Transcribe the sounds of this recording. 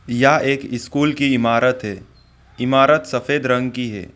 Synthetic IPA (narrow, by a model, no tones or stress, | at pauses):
jaːʔeːkɪskuːlkiɪmaːɾət̪ɦɛː | ɪmaːɾət̪sɐfeːd̪ɾə̃ŋɡkiɦɛ̰ː